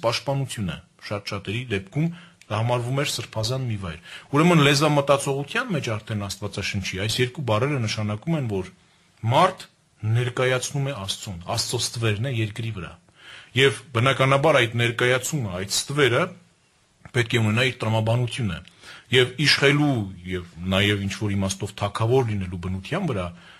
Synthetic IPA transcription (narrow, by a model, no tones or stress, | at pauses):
pɑʃt̪̚pɑnut͡sʰjunə̰ | ʃɑt̪ʃɑt̪ɛɾid̪ɛp̚kʰum | d̪ɑhɑmɑɾvumɛɾsəɾpʰɑzɑnmivɑ̰jɾuɾɛmənlɛzɑmət̪ɑt͡sʰɔʁut̪ʰjɑnmɛt͡ʃʰɑɾt̪ʰɛnɑst̪vɑt͡sɑʃənt͡ʃʰiɑjsjɛɾkubɑrɛɾənəʃɑnɑkumɛnvɔɾ | mɑɾt̪ʰ | nɛɾkɑjɑt͡sʰnumɛɑst͡sɔnɑ̰st͡sɔst̪vɛɾnɛjɛɾkɾivəɾɑ̰ | jɛvbənɑkɑnɑbɑɾɑjd̪nɛɾkɑjɑt͡sʰuməɑjt̪st̪vɛɾə | pɛt̪̚kʰɛunɛnɑiɾt̪əɾɑmɑbɑnut̪ʰjunə̰jɛviʃχɛlujɛvnɑjɛvint͡ʃʰvɔɾimɑst̪ɔvt̪ʰɑkʰɑvɔɾlinɛlubənut̪ʰjɑnvəɾɑ